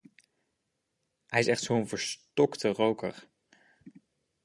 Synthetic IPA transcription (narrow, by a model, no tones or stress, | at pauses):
ɦɛjɪsɛχtsowənvəɹstɔktərowkə̰ɹ